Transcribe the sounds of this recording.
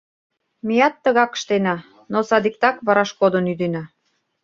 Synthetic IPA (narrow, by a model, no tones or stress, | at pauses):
mijɑt̪ːə̆ɣɑkə̥̆ʃt̪enɑ | nosɑd̪ik̚t̪ɑkβɑɾɑʃkod̪onyd̪enɑ